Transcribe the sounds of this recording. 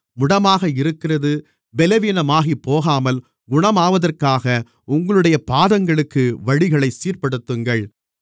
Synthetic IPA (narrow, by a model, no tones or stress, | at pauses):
mʊɽɐmaːɣɐɪɾɯkːɪrɐðɯ | bɛlɐʋiːnɐmaːɣipːoːɣaːmɐl | ɡʊɳɐmaːʋɐðɐrkaːɣɐ | ʊŋɡɐɭɯɽɐjɐpaːðɐŋɡɐɭɯkːɯʋɐɻɪɣɐɭɐɪsiːrpɐɽɯt̪ːɯŋɡɐɭ